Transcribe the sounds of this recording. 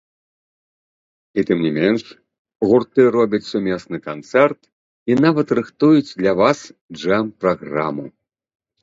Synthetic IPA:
it̪ɨmnʲimʲɛnʂ | ɣurt̪ɨɾɔbʲɐt͡sʲsumʲɛsnɨkant̪sɛrt̪ | inavɐt̪rɨxt̪ujut͡sʲd̪lʲavasd͡ʐɛmpɾaɣɾa̰mɨ̰ṵ

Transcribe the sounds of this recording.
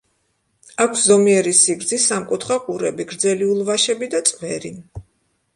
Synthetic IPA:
akʷʰszɔmiɛɾisiɡɾd̪zisamkʼut̪ʰχakʼuɾɛbiɡɾd̪zɛliulˠvaʃɛbid̪at̪sʼvɛɾi

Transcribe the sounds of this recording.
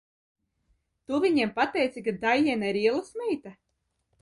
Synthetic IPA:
t̪uvʲiɲempat̪ɛjt̪sikad̪ajɛnaiɾiɛlˠasmɛjt̪a

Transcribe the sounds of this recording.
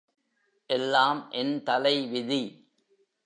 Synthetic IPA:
ʔɛlːaːmʔɛnt̪ɐlɐɪʋɪði

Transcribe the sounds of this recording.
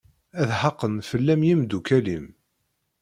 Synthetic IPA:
æðħɑqːənfəlːæmjimd̪ukælim

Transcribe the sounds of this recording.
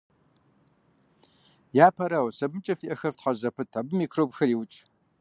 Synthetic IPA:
jaːpʰɐɾawsɐbɨmt͡ʃʼɐfiʔɐxɐrftħazɐpʰɨtʰabɨmiːkʰrowbxɐɾiːwʊt͡ʃʼ

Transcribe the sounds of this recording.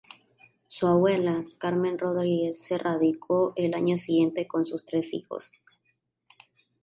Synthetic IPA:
suaβwe̞lakaɾmẽ̞nro̞ðɾiɣe̞sːe̞raðikʰo̞ʔelaɲo̞siɣje̞nt̪e̞ko̞nsust̪ɾe̞sḭxo̰s

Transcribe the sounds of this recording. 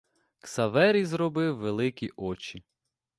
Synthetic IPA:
ksɐʋɛɾʲizrɔbɪwːelˠɪkʲiʔɔt͡ʃi

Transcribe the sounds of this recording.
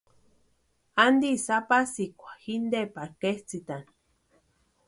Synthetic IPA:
and̪isapasikʷḁhind̪epaɾkeht͡sit̪ani

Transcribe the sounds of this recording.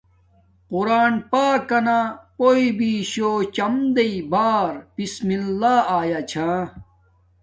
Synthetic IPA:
quɾaːnpaːkːɐnapoːibiɕoːt͡ɕɐmd̪eibaːɾpismilːaːaːjat͡ɕʰãː

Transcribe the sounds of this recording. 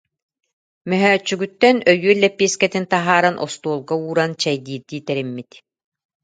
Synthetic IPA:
mœɦœːt͡ɕːyɡyt̪ːœnœjyːlːɛpːiɛskɛt̪int̪aɦaːɾanʔɔst̪uɔlˠɡauːɾant͡ɕɛjd̪iːɾd̪iːt̪ɛɾimːit̪

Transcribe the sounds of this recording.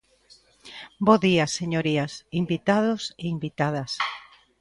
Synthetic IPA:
boðiaseɲoɾiasimbit̪að̞oseimbit̪að̞ɐs

